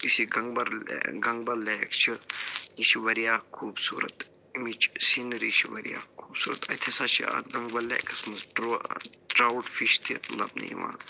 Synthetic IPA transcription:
isiɡɐŋɡbɐɾɡɐŋɡbɐlːeːkt͡ʃʰiiʃiʋɐɾijaːkʰuːbsuːɾɐt̪ | imit͡ʃsinɾiʃʰiʋɐɾija̰ːkʰuːbsuːɾɐt̪ɐt̪ʰesat͡ʃʰia̰ɡɐŋɡbɐlːɛ̰ːkɐsmɐsʈɾʈɾawʈfiʃt̪ʰilɐ̰bnɐ̰jʋã̰ː

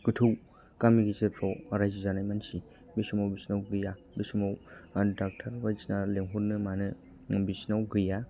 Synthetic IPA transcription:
ɡɯtʰuw | kamiɡizepʰɾɔwɾajzizanajmansi | bisumawbisnawɡɯja | bisimawdak̚tʰaɾbajsnaleŋɦuɾnɯmanɯ | bisnawɡɯja

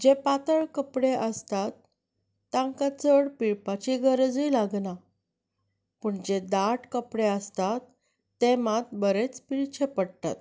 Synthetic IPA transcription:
d͡ʑepat̪əɭkəpɽeʔəst̪at̪ː | ãŋkat͡səɽpiɭpat͡ɕiɡʱəɾd͡zijlaɡna | pəɳd͡ʑed̪aʈkəpɽeəst̪at̪ː | emat̪̚bəɾet͡spiɭt͡ɕʰepəɽt̪a̰t̪̚

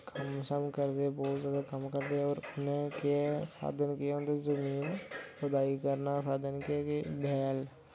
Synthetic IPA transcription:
kʰəmsəmkəɾd̪ebɔːt̪zjaːd̪akəmkəɾd̪eɔːɾʊnẽkeɛsa̰ːd̪ʱənkiɛond̪ezəmiːnpəd̪aːikəɾnasaːd̪ʱənkekebʱɛːl

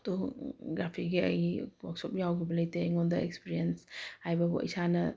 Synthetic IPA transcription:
toɡɾapʰiɡiɐ̰jwɔk̚sɔp̚jawɡibɐlɐjteŋɔndɐḛkspiɾienshajbɐbo̰ḭsanɐ

